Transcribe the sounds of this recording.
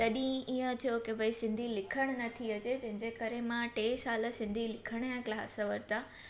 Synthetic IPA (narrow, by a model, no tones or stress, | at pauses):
t̪ɐɗĩiə̃t̪ʰijokeʋəisɪ̃nd̪ʱilɪkʰəɽ̃nɐt̪ʰiəd͡ʑed͡ʑɐ̃ɦɪ̃ɲd͡ʑekəɾemãʈeːsaːlə̆sɪ̃nd̪ʱilɪkʰəɽ̃jãklaːsəʋəɾt̪a